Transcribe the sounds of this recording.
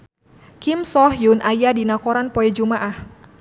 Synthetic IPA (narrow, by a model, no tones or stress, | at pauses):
kɪmsɔhjunʔajadinakɔɾanpɔɛd͡ʒumaʔah